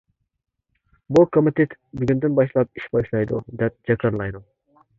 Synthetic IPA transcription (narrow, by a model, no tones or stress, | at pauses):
bukʰomit̪ʰet̪byɡʲynd̪ɪnbɑʃlˠɑp̚iʃbɑʃlˠɑjd̪ṵd̪ɛp̚d͡ʒɑkʰɑɾlˠɑjd̪u